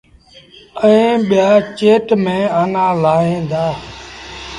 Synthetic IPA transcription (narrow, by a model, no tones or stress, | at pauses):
əẽːɓɪjaːt͡ʃeːʈmẽːənãːlaːɦẽːnd̪aː